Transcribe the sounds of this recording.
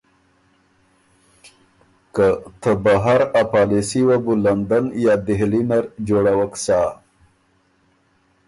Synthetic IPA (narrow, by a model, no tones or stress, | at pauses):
kət̪ʰəbaɦaɾapaːlisiwabuland̪ənjɑd̪ɪɦlinaɾd͡ʒoɽawəksa